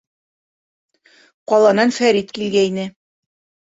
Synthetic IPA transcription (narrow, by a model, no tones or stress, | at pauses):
qɒlˠɑnɑnfæɾit̪kilɡæinɘ